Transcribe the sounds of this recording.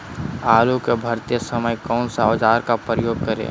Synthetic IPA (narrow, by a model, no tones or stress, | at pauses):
aːlukebʱɐɾt̪ijəsəməjkɔːnsaod͡ʒaːɾkapɾəjoːɡ̚kəɾḛ